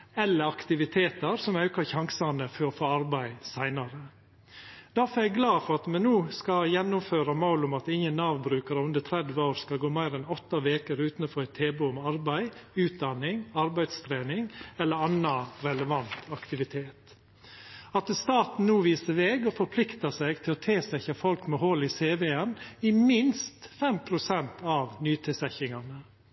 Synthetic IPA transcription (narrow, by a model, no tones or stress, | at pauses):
ɛlːəɾɑkt̪ɪʋɪt̪ʰeːt̪əɾsɔmɑʉkɑɾçɑŋsɑnəfɔɾɔfoːɑɾbæɪsæɪnɑɾə | d̪̥æɾfɔæɡlɑːfɔɾɑt̪mɛnnuːskɑjɛnːʊmføːɾɑmɑʊlʊmɑt̪ɪŋːənːɑːʋbɾʉːkɑɾəʉnd̪ət̪ʰɾɛd̪ʋəoːɾskɑlɡoːmæɪɾɛnɔt̪ːɑʋeːkəɾʉːt̪nfɔɾɛt̪ʰeːbʉɔmɑɾbæɪʉːt̪̚d̪ɑnɪŋɑɾbæɪd̪st̪ʰɾeːnɪŋɛlːəɾɑnːɑɾɛləʋɑnt̪ʰɑkt̪ɪʋɪt̪ʰeːt̪ | ɑt̪st̪ɑːt̪n̩nuːʋiːsəɾʋeːɡɔfɔɾpʰlɪkt̪ɑsæɪɡt̪ʰɪlɔt̪ʰeːsɛçɑfɔlkmɛhɔlɪseːʋeːɛnɪmɪnst̪fɛmpʰɾʊsɛnt̪ʰɑʋnyːt̪ʰɛsɛçɪŋɑnə